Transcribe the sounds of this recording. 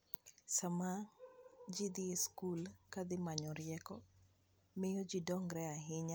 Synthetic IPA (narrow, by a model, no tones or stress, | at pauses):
sama | d͡ʒid̪ieskulkad̪ɪmaɲɔɾɪjɛkɔ | mɪjɔd͡ʒidɔŋɡɾɛaɦɪɲa